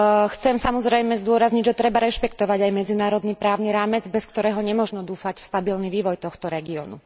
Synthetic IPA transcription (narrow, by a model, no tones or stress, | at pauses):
xt͡sɛmsamɔzɾɛjmɛzd̪ʊɔɾazɲiɟʒɛt̪ɾɛbaɾɛʃpɛkt̪ɔʋaɟajmɛd͡zinaːɾɔd̪nipɾaːʊniɾaːmɛd͡zbɛskt̪ɔɾɛːɦɔɲɛmɔʒnɔd̪uːfacfst̪abilniʋiːʋɔjt̪ɔxt̪ɔɾɛɡiɔ̰nṵ